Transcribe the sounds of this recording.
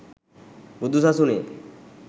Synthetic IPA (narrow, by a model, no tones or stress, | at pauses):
bud̪ːusasuni